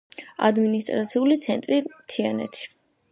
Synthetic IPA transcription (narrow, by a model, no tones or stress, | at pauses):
a̰d̪minist̪ʼɾat̪sʰiulit̪sʰɛnt̪ʼɾit̪ʰianɛ̰t̪ʰʃi̥